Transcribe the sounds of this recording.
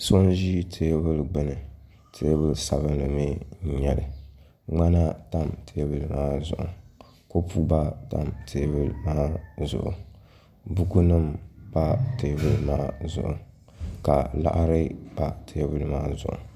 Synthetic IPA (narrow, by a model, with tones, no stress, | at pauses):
so˦n˦ʒi˦tʰe˨˦bɨ˦lɡ͡bɨ˦nɨ˨ | tʰe˦bɨ˦lsa˨βɨ˦nlɨ˨mi˦˨˦ɲɛ˨lɨ̰˨ | ŋ͡ma˦na˦ta˦mtʰe˨˦bɨ˦˨lɨ˨maː˦zʊ̰˨ʔʊ̰˨ | ko˦pu˦ba˦ta̰˦mtʰe˦bɨ˦lmaː˦zʊ̰˨ʔʊ̰˨ | bu˦ku˦nɨ˦mba˦te˨˦bɨ˦lmaː˦zʊ̰˨ʔʊ̰˨ | ka˨la̰˦ʔɾɨ˦b̥a˦˨tʰe˨˦bɨ˦lɨ˨maː˦zʊ̰˨ʔʊ̰˨